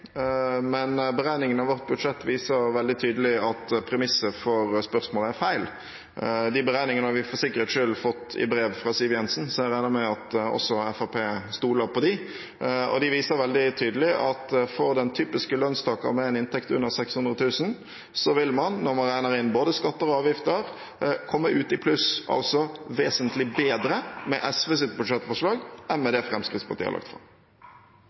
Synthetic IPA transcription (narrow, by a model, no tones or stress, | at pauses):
mɛnbəɾæɪnɪŋənɑʋɔʁt̪̚bʉd̪ʂɛt̪ːʋiːsəɾʋɛld̪ɪt̪ʰyːd̪əlɪɑt̪pʰɾɛmɪsːəfɔɾspœɾsmoːləæɾfæɪl | d̪ɪbəɾæɪnɪŋənəhɑʋɪfɔɾsɪkːəɾət̪ʂʏlfɔt̪ːɪ̰bɾeːʋfɾɑsɪlʋɪjɛnsn̩sɔæɾæɪnəmɛɑt̪ɔ̰sːɔɛfɑpʰeːst̪uːləɾpɔd̪ɪ | ɔ̰d̪ɪʋiːsəɾʋɛld̪ɪt̪ʰyːd̪əlɪʔɑt̪fɔɾd̪ɛnt̪ʰyːpɪskəlønst̪ʰɑːkəmɛɛnɪnt̪ʰɛkt̪ʉ̰nːəɾsɛkshʉnʁət̪ʰʉːsn | sɔʋɪlmɑnːɔɾmɑnɾæɪnəɾɪnboːd̪əskɑt̪ːəɾɔɑːʋjɪft̪əɾ | kʰɔmːəʔʉːt̪ɪpʰlʉsɑ̰lsɔʋeːsənt̪lɪbeːd̪ɾəmɛ̰ʔɛsʋeːs̬ɪt̪̚bʉd̪ʂɛt̪ːfɔʂlɑːɡɛnmɛd̪ɛfɾɛmskɾɪt̪spʰɑɾt̪iːɑ̰lʔɑ̰kt̪fɾɑ̰m